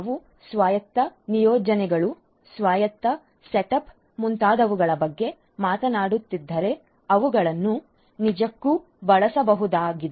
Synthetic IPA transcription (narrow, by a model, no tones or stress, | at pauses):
ɐʋu | sʋaːjɐt̪ːɐnijɔːd͡ʒɐnɛɡɐɭu | sʋaːjɐt̪ːɐ | seʈɐp | munt̪aːd̪ɐʋuɡɐɭɐbɐɡːe̞ | maːt̪ɐnaːɽut̪ːid̪ːɐɾe̞ | ɐʋuɡɐɭɐnːu | nid͡ʒɐkːu | bɐɭɐsɐbɐɦud̪aːɡid̪e